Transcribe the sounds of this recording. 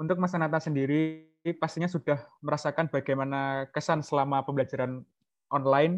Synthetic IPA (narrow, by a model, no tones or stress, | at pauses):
unt̪ʊk̚masanat̪asəndiɾi | past̪iɲasud̥ahməɾasakanb̥aɡajmanakəsansəlamapəmbəlad͡ʒaɾan | ʔɔnlaɪn